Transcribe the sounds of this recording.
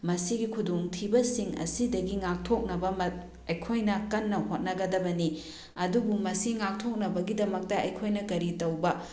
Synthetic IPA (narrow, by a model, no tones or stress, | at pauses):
mɐsiɡikʰudoŋtʰibɐsiŋɐ̰sidɐɡiŋak̚tʰok̚nɐbɐmɐ | ɐjkʰojnɐkɐnːɐhot̚nɐɡɐdɐbɐni | ɐdubumɐsiŋak̚tʰok̚nɐbɐɡidɐmɐk̚tɐɐjkʰojnɐkɐɾitɐwbɐ